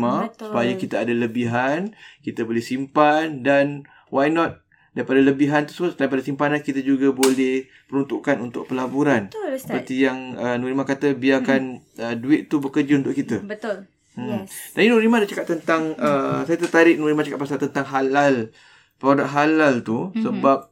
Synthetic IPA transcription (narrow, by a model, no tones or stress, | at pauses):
mãsupajakit̪aadaləbiɦankit̪abolɛhsimpandan | wajnɔt̪̚ | daɾipadaləbiɦant̪u̥səməlaip̬adasimpanankit̪ad͡ʒuɡabolɛh | pəɾunt̪uʔkanunt̪ʊ̰k̚pəlabuɾansəpət̪ijaŋənuɾimakat̪əbiakanəduɪʔ̪t̪ubəkərd͡ʒiunt̪ʊʔkit̪əbət̪ʊl | mt̪apinuɾimadat͡ʃakat̪ːənt̪aŋəsajat̪ət̪aɾɪʔ̚nuɾimat͡ʃakaʔ̚pasat̪ənt̪aŋɦalal | pəɾodak̚ɦalalt̪usəbap̚